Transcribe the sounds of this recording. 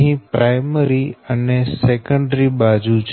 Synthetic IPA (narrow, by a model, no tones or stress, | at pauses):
ɦĩpɾajməɾiənesekə̃ɳɖɾibad͡ʒut͡ʃʰ